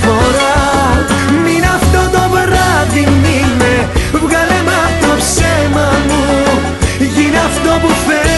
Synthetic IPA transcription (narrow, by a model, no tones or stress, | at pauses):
foɾɐ | minɐft̪ot̪ovɾaðimimevɣɐlemɐp̪opsɛmɐmu | ʝinɐft̪opufe